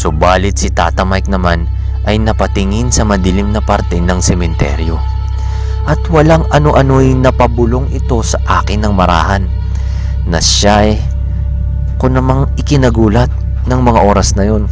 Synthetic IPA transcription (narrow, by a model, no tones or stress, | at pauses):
sʊbaːlɪt̪̚sɪt̪a̰ːt̪ɐmajk̚nɐman | ʔɐjnɐpɐt̪ɪŋɪnsɐmɐd̪ɪlɪmnɐpɐɾt̪ɛnɐŋsɛmɛnt̪ɛ̰ɾjo̞ | ʔɐt̪wɐlaŋɐno̞ʔɐno̞jnɐpɐbʊlo̞ŋɪt̪o̞sɐʔaːkɪnːɐŋmɐɾa̰ːhɐnː | ɐʃaj | konɐmaŋɪkɪnɐɡuːlɐt̪̚ | nɐŋmɐŋaʔo̞ːɾɐsnɐjo̞n